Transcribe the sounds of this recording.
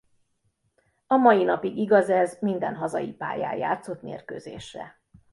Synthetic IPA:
ɒmɒjinɒpiɡiɡɒzɛzmind̪ɛnɦɒzɒ̰jipa̰ːja̰ːja̰ːt̪so̞t̪mḛːrkøːzḛːʃrɛ̰

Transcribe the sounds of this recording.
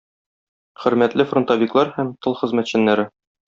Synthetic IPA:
χɘ̆ɾmæt̪lɘfront̪ɑvʲiklˠɑɾhæmt̪ɤlˠχɘ̆zmæt̪ɕɘ̆nːæɾɘ

